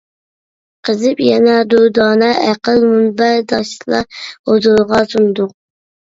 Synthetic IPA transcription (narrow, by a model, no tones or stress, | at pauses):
qʰəzɨpjɛnɛd̪ud̪ɑːnɑʔæqəlˠmunbæd̪ɑʃlˠɑ̰od̪uɾʁɑsund̪ʊq̚